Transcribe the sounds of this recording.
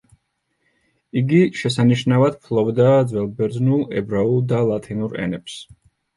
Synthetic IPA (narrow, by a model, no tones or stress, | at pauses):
iɡiʃɛsaniʃnavad̪pʰlˠɔbd̪aːd̪zwɛlˠbɛɾd̪znulˠɛ̰bɾaulˠd̪alˠat̪ʰinuɾɛ̰nɛps